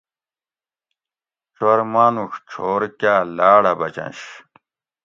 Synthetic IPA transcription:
t͡ɕɐɾmaːnuxt͡ɕʰoːɾkaːlaːɽɐbɐt͡ɕɐ̰̃nɕ

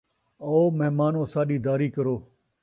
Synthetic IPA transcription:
oːməɦmaːnõːsaːɗiːd̪aːɾiːkəɾoː

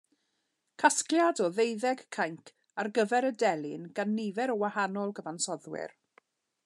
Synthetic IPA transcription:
kʰaskljadɔðejðɛɡkʰajŋkʰ | arɡəvɛɾədɛlˠɪnɡanːɪvɛɾɔwahanɔlˠɡəvansɔðwɪ̰r

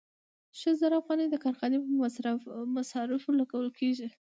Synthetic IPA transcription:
ʃəlzaɾaafɣɑned̪əkɑɾxɑnepəmasɾamasɑɾɪflaɡawəlkʰeʒi

